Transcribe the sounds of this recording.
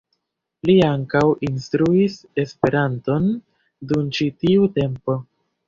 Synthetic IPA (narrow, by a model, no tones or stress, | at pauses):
liaŋkawʔinstɾuis | e̞spe̞ɾanto̞n | dunt͡ʃitiute̞mpo̞